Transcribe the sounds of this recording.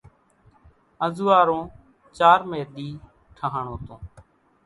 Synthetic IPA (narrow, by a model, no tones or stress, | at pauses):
əzuːaːɾõː | t͡ʃaːɾmeːɗ̪iː | ʈʰəɦaɳõːt̪õː